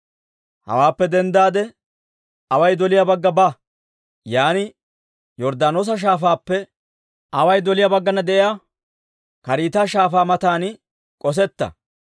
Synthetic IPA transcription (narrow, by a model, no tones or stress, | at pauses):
hɐ̰waːpːɛd̪ɛnd̪aːd̪ɛ | ɐwɐjd̪ɔlɪjabɐɡːɐba | jaːnɪ | jɔɾd̪aːnoːs̬ɐʃ̬aːfaːpːɛ | ɐwɐjd̪ɔlɪjabɐɡːɐnɐd̪ɛʔɪjaː | kɐɾiːt̪aːʃaːfaːmɐt̪aːn | kʼɔs̬ɛt̪ːɐ̰